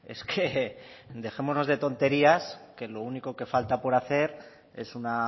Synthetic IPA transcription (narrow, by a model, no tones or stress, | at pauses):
e̞̰skʰe̞ | d̪e̞xe̞mo̞zno̞zðe̞t̪o̞nt̪e̞ɾiaske̞lo̞uniko̞ke̞falt̪apo̞ɾaθe̞ɾ | e̞suna